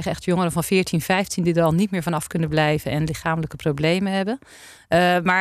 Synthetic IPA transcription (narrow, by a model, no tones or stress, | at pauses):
χəɛxtjoŋəɾənvɑnfɪːɹtʰinfɛjftʰindidərɑlˠnitmɪːɹvɔnɑfkɵnənblɛjvənɛnlɪxaːmələkəprowblejmənɦɛbən | ma